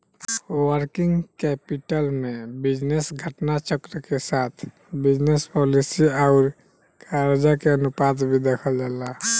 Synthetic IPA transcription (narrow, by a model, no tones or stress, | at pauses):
wəɾkiŋɡkɛpiʈəlmẽbid͡ʒnesɡʱəʈnat͡ʃəkɾəkesat̪ʰ | bid͡ʒnespɔlisiaʊɾ | kʰaɾed͡ʒakeənupad̪bʱid̪ekʰəld͡ʒala